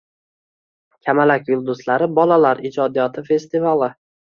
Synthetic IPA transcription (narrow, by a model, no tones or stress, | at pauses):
kʲʰamalakʲjʊlˠd̪ʊslaɾɪbɒlalaɾɪd͡ʒɒd̪ijɒt̪ʰɪfe̞st̪ivalˠɪ